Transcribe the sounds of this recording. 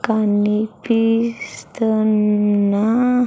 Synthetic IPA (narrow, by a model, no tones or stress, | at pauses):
kanipist̪əna